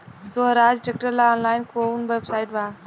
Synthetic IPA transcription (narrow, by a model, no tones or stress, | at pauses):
soɦɾaːd͡ʒʈek̚ʈəɾlaɔːnlaːɪnkounʋebsaːɪʈʋaː